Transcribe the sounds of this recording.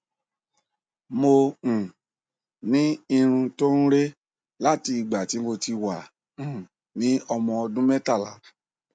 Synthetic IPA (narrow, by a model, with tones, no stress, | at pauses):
mõ˧˨ | nĩ˨˦i˧ɾ̃ũ˧to˦ɾũ˦ɾe˦ | la˦ti˧i˧ɡ͡ba˨ti˨˦mo˧ti˧wã˨ | nĩ˨˦ɔ˧mɔ̃˧ɔ˧dũ˦mɛ˦ta˦˨la̰˨˦